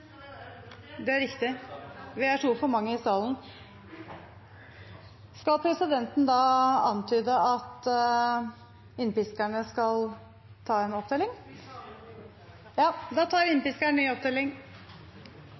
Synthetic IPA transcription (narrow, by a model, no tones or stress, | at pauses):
d̪ɛæɾɪkt̪ɪʋɪæʈʰɾuːfɔɾmɑŋːəɪsɑːln̩ | skɑlpʰɾɛsɪd̪ɛnt̪n̩d̪ɑːɑnt̪ʰyːd̪əɑt̪ | ɪnːpɪskæɳəskɑl | t̪ʰɑːɛnɔp̚d̪eːlɪŋ | jɑːd̪ɑːt̪ʰɑːɾɪnːpɪskæɳnyːɔp̚d̪eːlɪŋ